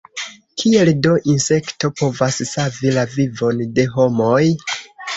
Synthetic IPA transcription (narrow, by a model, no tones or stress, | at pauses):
kʰie̞ldo̞ʔinse̞kto̞po̞vassavilavivo̞nde̞ɦo̞mo̞j